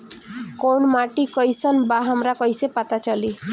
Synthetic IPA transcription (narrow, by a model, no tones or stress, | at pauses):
kownmaʈikʌjsənbaɦəmɾakʌjsepət̪at͡ʃʌli